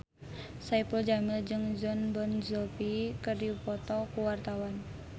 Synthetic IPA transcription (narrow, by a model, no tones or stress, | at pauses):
saipəld͡ʒamɪld͡ʒɨŋzɔnbɔnzɔpikərdiupɔt̪ɔkuwart̪awan